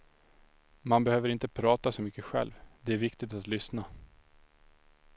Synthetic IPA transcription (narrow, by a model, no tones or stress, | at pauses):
manbɛhøːvəɾɪnt̪əpʰɾɑːt̪asɔmʏkːəɧɛ̰lvd̪ɛæɾvɪkt̪ɪɡ̚t̪at̪lʏsna